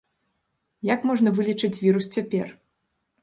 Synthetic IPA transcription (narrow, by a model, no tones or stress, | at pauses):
jakmɔʐnɐvɨlʲit͡ʂɨt͡sʲvʲiɾust͡sʲapʲɛ̰r